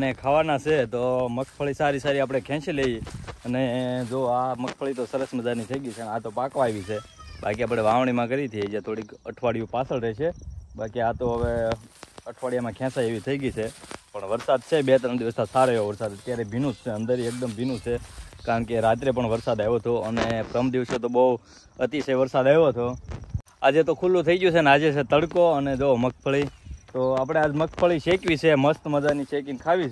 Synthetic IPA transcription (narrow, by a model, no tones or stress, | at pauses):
ənekʰaʋanat͡ʃʰet̪oməkʰpʰəɭisaɾisaɾiapɽ̃ekʰɛ̃ːʃeleiəned͡ʒoaməkʰpʰəɭit̪osəɾəsməd͡ʒaɾnit̪ʰəiɡit͡ʃʰeənat̪opãkʋaeʋit͡ʃʰebakiaːp̬ɽ̃eʋãʋɳ̃imãkəɾit̪ʰied͡ʒet̪ʰoɽikəʈʰʋaɽijũpasəlɾɛt͡ʃʰebakiat̪oɦəʋe | əʈʰʋaɽijamãkʰɛ̃saeʋit̪ʰəiɡit͡ʃʰepəɳʋəɾsad̪̚t͡ʃʰebet̪əɾənd̪iʋəst̪ʰasaɾeʋoʋəɾsad̪ət̪jaɾebʱinũt͡ʃʰeə̃nd̪əɾiek̚d̪əmbʱinũt͡ʃʰekaɾəɳkeɾat̪ɾep̬əɳʋəɾsad̪aʋot̪ʰoənepɾəmd̪iʋsot̪obəu | ət̪isʰeʋəɾsad̪aɦʋot̪ʰo | ad͡ʒet̪okʰulːũt̪ʰəiɡjũt͡ʃʰenead͡ʒet͡ʃʰet̪əɽkoəned͡ʒoməkʰpʰəɭit̪oap̬ɽ̃ead͡ʒməkʰpʰəɭiʃʰekʋit͡ʃʰeməst̪məd͡ʒanit͡ʃekinkʰaʋit͡ʃʰ